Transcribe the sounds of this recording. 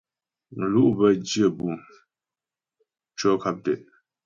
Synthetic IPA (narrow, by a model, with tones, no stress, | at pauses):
n̩˨lu˦ʔbə˨d͡ʒjə˦˨bu˨˦ | t͡ʃɔ˦ka˦p̚dɛ̰˨ʔ